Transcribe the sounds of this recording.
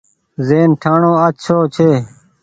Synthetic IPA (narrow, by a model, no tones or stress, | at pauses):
zeːnʈʰaːɳoːətt͡ʃʰoːt͡ʃʰeː